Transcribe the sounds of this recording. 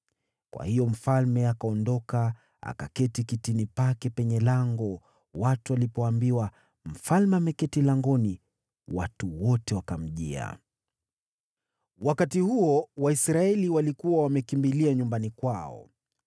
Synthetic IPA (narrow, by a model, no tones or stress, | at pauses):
kwa̰hijɔm̩falmɛakaɔndɔka | a̰ka̰kɛtikitinipakɛpɛɲɛlaŋɡɔ | watualipɔambiwa | m̩falmɛamɛkɛtilaŋɡɔni | watuwɔtɛwakam̩ʄḭa̰ | wakatihuɔwaisɾaɛliwalikuwawamɛkimbiliaɲumbanikwaɔ̰